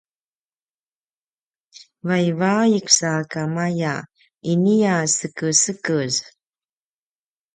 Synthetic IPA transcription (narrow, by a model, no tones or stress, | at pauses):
vajvaiksakamaja | iniasəkəsəkəz